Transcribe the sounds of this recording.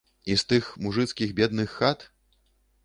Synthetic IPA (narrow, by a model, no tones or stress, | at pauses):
ist̪ɨxmuʐɨt̪skʲiɣbʲɛd̪̚nɨxːat̪